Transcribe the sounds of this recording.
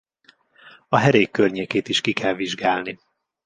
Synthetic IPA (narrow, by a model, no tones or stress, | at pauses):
ɒɦɛɾeːkːørɲeːkeːt̪iʃkikʰɛlviʒɡaːlni